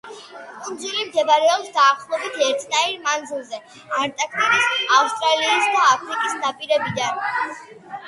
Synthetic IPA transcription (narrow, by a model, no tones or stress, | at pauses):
kʼund̪zulimd̪ʰɛvaɾɛɔpsd̪aːχlˠɔbit̪ʰɛɾt̪ʰnaiɾmand̪zilˠzɛ | aɾt̪ʼakʰt̪ʼiɾisaust̪ʼɾaliːsd̪aːpʰɾikʼisnapʼiɾɛbid̪an